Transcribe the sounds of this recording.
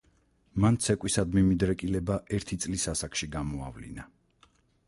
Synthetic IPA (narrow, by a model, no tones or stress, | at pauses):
mant̪sʰɛkʼwisad̪mimid̪ɾɛkʼilɛbaɛɾt̪ʰit̪sʼlisasakʰʃiɡamɔa̰vlḭna